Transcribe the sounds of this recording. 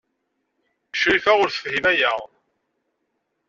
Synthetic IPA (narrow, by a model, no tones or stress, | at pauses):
əʃɾiθæʁʊɾθə̥fhimæjæʁˤ